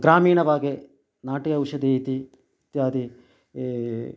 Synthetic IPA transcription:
ɡɾaːmiːɳɐʋaːɡe | naːʈiɐwʃɐd̪eːjit̪i | t̪jaːd̪i

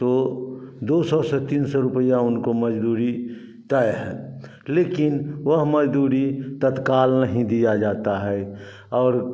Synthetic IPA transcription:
t̪o | d̪oːsɔsɛt̪iːnsɔɾʊpəjaʊnkoməd͡ʒd̪uːɾi | t̪aeɦɛ̰̃ː | leːkɪnʋəɦməd͡ʒd̪uːɾit̪ət̪kaːlnəɦĩd̪ijad͡ʒaːt̪aɦɛ | ɔːɾ

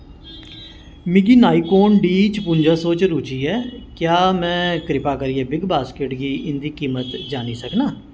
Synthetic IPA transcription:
mɪɡiːnaːiːkoːnɖiːt͡ʃpʊ̃ɲd͡ʒaːsoːt͡ʃɾuːt͡ʃiːɛːkjaːmɛ̃ːkɾɪpaːkəɾiːɛːbɪɡbaːskeʈɡiːʔɪnd̪iːkiːmət̪d͡ʒaːniːsəknaː

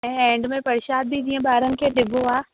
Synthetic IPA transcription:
ɛ̃ːɛ̃ːɳɖmẽpɐɾɪʃaːd̪̚bʱid͡ʑĩːə̃ɓaːɾənɪ̆kʰeɗɪɡʱoaː

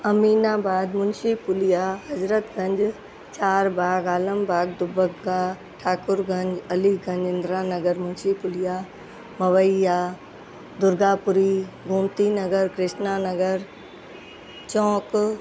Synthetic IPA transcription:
ɐmiːnaːbaːd̪mʊnʃipʊlijaːɦɐzɾət̪ɡɐ̃ɲd͡ʒ | t͡ʃaːɾbʱaːɡaːləmbʱaːɡ̚d̪ʊbəɡɡaː | ʈʰaːkʊɾɡɐ̃ɲd͡ʑɐliɡɐ̃ɲd͡ʑɪ̃nd̪ɾaːnɐɡəɾmʊnʃipʊlijaː | mɐʋəijaː | d̪ʊɾɡaːpʊɾiɡʱʊmt̪inɐɡəɾkɾɪʃnaːnɐɡəɾ | t͡ʃɔ̃ːk

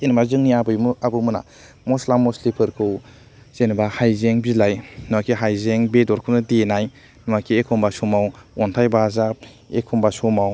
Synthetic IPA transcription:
enimazɯŋniabɯjmuabɯmuna̰ | mɔslamːɔslipʰɯɾkʰɯw | z̥enbahajzeŋbilajnɯakʰiɦajzeŋbedɔɾkʰɯmnɯdenaj | nɔmakʰiekʰɔmbasumawɔntʰajbazap̚ | ekʰumbasɔmaw

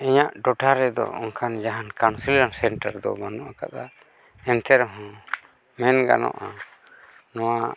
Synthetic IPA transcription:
iɲaʔɖɔʈaɾɛd̪ɔ̰ɔ̰ŋkʰand͡ʒaɦankansilansɛɳʈaɾd̪ɔ̰banɔʔaka̰ʔ̪a | ɛnt̪ʰɛɾɔɦɔ̃ | mɛnɡa̰nɔ̰ʔa | nɔwa

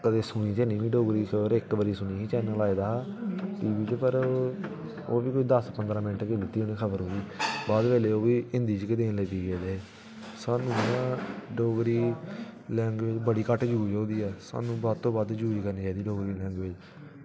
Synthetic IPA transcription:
kəd̪eːsʊɽ̃iːt̪eːniːbiːɖoːɡɾiːkʰəbəɾɪkʋəɾiːsʊñiːkiːt͡ʃɛːnəlaːiːd̪aːʈiːʋiːt͡ʃpəɾ | oːbiːkoːiːd̪əspənd̪ɾãːmɪnʈked̪ɪt̪ːiːonĩːkʰəbəɾɦõːd̪iːbaːd̪ʋɛːleːoːʋiːɪ̃nd̪iːt͡ʃkɪd̪eːnlɛːd̪iːɡeːd̪eːeː | saːnũːɖoːɡɾiːlɛ̃ːŋɡʋed͡ʒbəɽiːkəʈd͡ʒuːid͡ʒoːd̪iːɛːsa̰ːnũːbaːd̪̚t̪õːbaːd̪d͡ʒuːiːkəɾniːt͡ʃaːiːd̪iːɖoːɡɾiːlɛ̃ːŋɡʋɪd͡ʒ

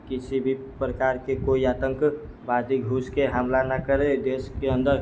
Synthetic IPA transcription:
kɪsibʱi | pɾəkaɾkekoiaːt̪ə̃ŋk | bad͡ʒiɡʱuskeɦamlanəkəɾed̪eskeə̃nd̪əɾ

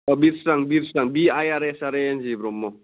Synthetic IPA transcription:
ɔbiɾsɾaŋbiɾsaŋbiajaɾɛsaɾend͡ʒibɾɔmːɔ

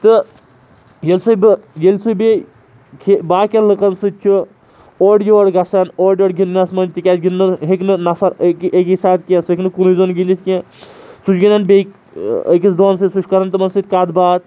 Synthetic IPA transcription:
t̪ɨ | jelʲsobɨjelʲsojbe | kʰebaːkʲɐnlɨkɐnsɨt̪̚ʲt͡ʃʰu | oːɖjoːɽɡɐsɐnoːɖʲjoːɽɡinːɐsmɐnd͡ʒt̪ikʲaːt̪ɡinːɨɦeknɨnɐfɐɾkekisaːt̪̚kʲeseknɨkunuizoːnɡinʲd̪it̪ʰʲkʲẽ | sut͡ʃɡinɐnbek | ə̰kisd̪oːns̬ɨt̪ʲsut͡ʃʰkɐɾɐnt̪ɨmɐnsɨt̪̚ʲkaːd̪baːt̪̚

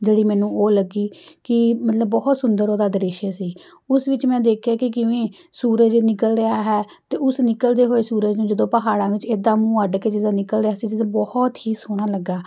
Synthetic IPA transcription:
d͡ʒeːɽiːmɛ̃ːnũːoːləɡiːkɪmət̪ləbːɔːt̪sʊnd̪əɾoːd̪aːd̪əɾɪʃeːsiː | ʊsʋɪt͡ʃmɛ̃ːd̪eːkʰjaːkɪk̬ɪʋẽː | suːɾəd͡ʒnɪkəlɾeaːɦɛː | t̪eːʊsnɪkəld̪eːɦoːeːsuːɾəd͡ʒnũːd͡ʒəd̪õːpəɦaːɽãːʋɪt͡ʃeːd̪aːmũːəɖkeːd͡ʒɪd̪aːnɪkəlɾaːsiːd͡ʒɪd̪õːbɔht̪hiːsoːɽ̃aːləɡːaː

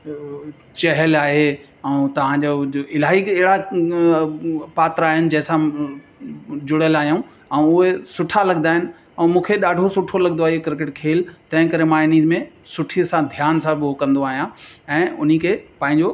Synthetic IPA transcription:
t͡ɕɐɦəlaːɦe | ɛũt̪ɐʋ̤ãɲd͡ʑoɪlaːɦiɐɦɪɽa | paːt̪ɾaːɦɪnɪ̆d͡ʑɛ̃ɦɪ̃sã | d͡ʑʊɽəlaːɦijũ | ɛ̃ʊɦesʊʈʰalɐɠnaːɦɪnɪ̆ | ɛ̃ːmũːkʰeɗaːɖʱosʊʈʰolɐɡənd̪oaːɦikɾk̬ɪʈkʰeːlt̪ɐ̃ɦɪ̃kɐɾemãːɪniːzmẽsʊʈʰiəsãd̪ʱjaːnsãbɪokɐ̃nd̪oaːɦijãɛ̃ːʊn̤ikʰepãːɦɪ̃ɲd͡ʑo

